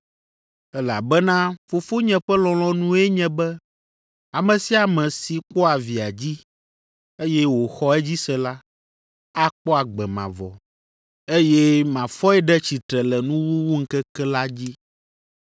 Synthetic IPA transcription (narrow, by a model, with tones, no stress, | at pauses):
ɛ˦la˨bɛ˦nã˦fo˨fo˦ɲɛ̃˨ɸɛ˦lɔ̃˨lɔ̃˦nũ˦ɛ˦ɲɛ̃˦bɛ˦ | a˨mɛ̃˨si˦a˨mɛ̃˨si˨ko˦a˨vi˨a˨d͡ʑi˦ | e˦jɛ˦wo˨xɔ˦ɛ˦d͡ʑi˦sɛ˨la˦ | a˦k͡pɔ˦a˨ɡ͡bɛ˨mã̰˨vɔ̰˨ | e˦jɛ˦mã˨fɔ˦ɛ˦ɖɛ˦t͡ɕi˨t̪ɾɛ˨lɛ˨nũ˦wu˦wu˦ŋ̩˦kɛ˦kɛ˦la˦d͡ʑi˦